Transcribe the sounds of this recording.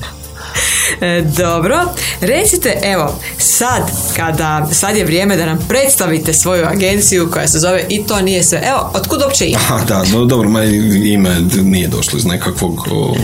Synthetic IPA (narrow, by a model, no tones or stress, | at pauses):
d̪o̞bɾo̞ɾe̞t̪sit̪e̞ʔe̞ʋo̞sad̪kad̪asad̪je̞ʋɾje̞ːme̞d̪anampɾe̞t̪st̪aʋit̪e̞sʋo̞juaɡe̞nt̪sijuko̞jase̞zo̞ʋe̞ʔit̪o̞ːnije̞sʋe̞ʔeo̞ot̪kud̪opt͡ɕeḭhad̪ad̪od̪obɾomaimenijed̪o̰ʃloiznekakʋoɡo̰